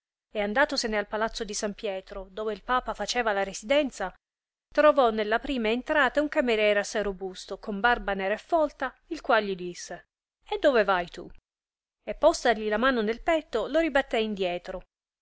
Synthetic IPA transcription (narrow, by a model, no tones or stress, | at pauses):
eand̪aːt̪osenealpalat̪sːod̪isampjɛːt̪ɾod̪oːveilpaːpafat͡ʃɛːvalaɾesid̪ɛnt̪sa | t̪ɾovɔnːelːapɾiːmaent̪ɾaːt̪auŋkameɾjɛːɾeasːajɾobust̪okombarbanɛːɾaefːɔlt̪a | ilkwalʎːid̪isːe | ed̪ːoːvevajt̪ṵ | epːɔst̪aʎilamaːnonelpɛt̪ːoloɾibat̪ːɛind̪jɛːt̪ɾo